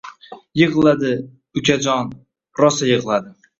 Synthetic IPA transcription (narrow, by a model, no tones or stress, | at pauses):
jɨʁlˠad̪ɪ | ʊkʲad͡ʒɒn | ɾɒsajɨʁlˠad̪ɪ